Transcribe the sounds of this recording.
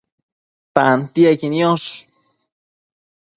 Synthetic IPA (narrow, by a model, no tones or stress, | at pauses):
t̪ant̪iakinjoʃ